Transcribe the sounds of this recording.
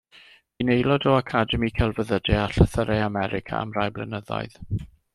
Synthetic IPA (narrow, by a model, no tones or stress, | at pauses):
inejlˠɔdɔakʰadɛmikʰɛlˠvəðədɛaɬəθəɾɛamɛɾɪkʰa̰a̰mrajblɛ̰nəða̰jð